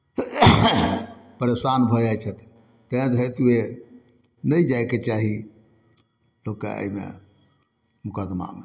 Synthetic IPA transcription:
pəɾesanbʱəd͡ʒajt͡ʃʰət̪ | t̪əãt̪ɦet̪ue | nəjd͡ʒajket͡ʃaɦi | lokḛə̰imḛ | mʊkəd̪ma̰mḛ

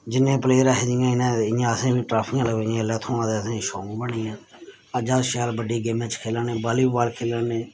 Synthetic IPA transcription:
d͡ʒɪnːẽːpleːɾaɦed͡ʒijãːɪnãːɪjãːəsẽːbiːʈɾaːpʰɪːãːləɡjãːlaːt̪ʰõːãːt̪eəsẽːʃoːŋːbəɳiːjãː | əd͡ʒaːdʃaːlbəɖiːɡemẽːt͡ʃkʰeːlaːneːbaːliːbbaːlkʰeːləːnẽː

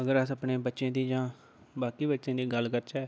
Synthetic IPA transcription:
əɡəɾəsəpneːbətːʃẽːd̪iːd͡ʒãː | baːkiːbətːʃẽːd̪iːɡəlkəɾt͡ʃɛː

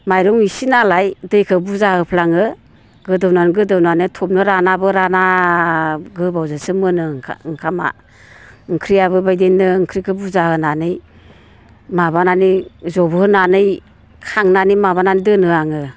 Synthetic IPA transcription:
majɾɔŋisinalajdɯjkʰɯbuzaɦɯpʰlaŋɯ | ɡɯdɯwnanɡɯdɯwnanɯjtʰɔp̚nɯɾanabɯɾana | ɡɯbawzasɯmɯnɯŋkʰama̰ | ŋkʰɾijaβɯbajdenːɯŋkʰɾikʰɯbuzahɯnanɯj | mabananizɔbɯhɯnanɯj | kʰaŋnanimaβananidɯnɯaŋɯ

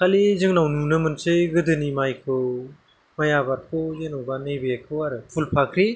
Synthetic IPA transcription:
kʰalizɯŋnawnunɯmɯnsɯjɡɯdɯnimajkʰɯw | majabaɾkʰɯwzɯŋnawbanɯjbeakʰɯwaɾɯpʰulpʰakʰɾi

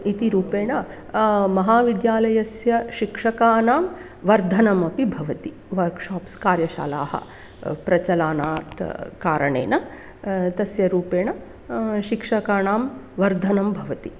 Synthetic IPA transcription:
it̪iɾuːpeːɳɐ | mɐɦaːʋid̪jaːlɐjɐsjɐʃikʂɐkaːnaːm | ʋɐɾd̪ʱɐnɐmɐpibʱɐʋɐt̪i | ʋɐɾkʂaːpskaːɾjɐʃa̰ːla̰ːhɐ̰ | pɾɐt͡ʃɐlaːnaːt̪kaːɾɐɳḛːnɐ | t̪ɐsjɐɾuːpeːɳɐ | ʃikʂɐkaːɳaːm | ʋɐɾd̪ʱɐnɐmbʱɐʋɐt̪i

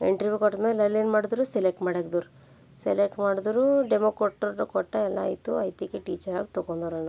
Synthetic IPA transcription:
ḛɳʈɾiʋjukɔʈ̪ːmeːlɐlːinmaːɽud̪ɾuselek̚ʈmaːɽeɡd̪uɾu | selek̚ʈmaːɽud̪uɾuɖemokɾoʈːuɾukɔʈːɐɛlːa̰ːjt̪ṵɐ̰jt̪ikeʈiːt͡ʃɐɾa̰ːɡut̪ɔkond̪oɾɐna

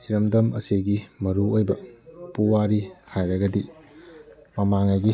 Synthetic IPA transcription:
iɾɐmdɐmɐ̰seɡimɐɾuojbɐpuwaɾihajɾɐɡɐdi | mɐmaŋɐɡi

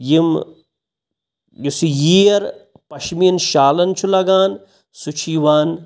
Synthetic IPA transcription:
jim | jusijiːɐɾ | pɐʃminʃaːlɐnt͡ʃʰulɐɡaːn | sut͡ʃʰiːʋaːn

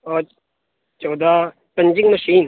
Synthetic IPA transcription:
ɔː | t͡ʃɔːd̪a | pɐ̃ɲd͡ʒɪŋmɐʃiːn

